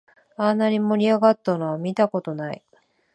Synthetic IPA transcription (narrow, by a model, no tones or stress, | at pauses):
anːaɲʲimo̞ɾʲiaɡat̪ːanoβamʲit̪ako̞t̪o̞naḭ